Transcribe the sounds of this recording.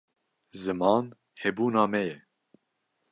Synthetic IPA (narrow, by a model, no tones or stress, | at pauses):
zɨmɑːn | hɛbuːnɑːmɛjɛ